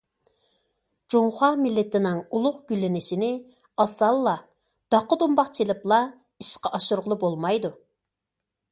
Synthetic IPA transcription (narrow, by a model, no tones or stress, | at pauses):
d͡ʒoŋχɑmɪlːɪt̪ɪnɪŋulˠʊqɡ̥ʲylːɪnɪsɪnɪ | ɑsɑlˠːɑ | d̪̥ɑqːəd̪umbɑqt͡ʃʰelɪplˠɑ | iʃqɑʔɑʃuɾʁəlˠʊbolˠmɑjd̪u